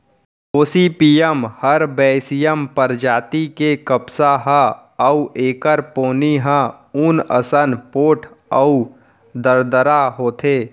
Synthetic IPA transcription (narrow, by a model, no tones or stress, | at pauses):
oːsipiːjəmhəɾbɛːsijəmpəɾd͡ʒaːt̪ikekəbsaɦãəuʔeːkəɾpoːniɦãuːnə̰sənpoːʈʰ | əu | d̪əɾd̪əɾaɦoːt̪ʰeː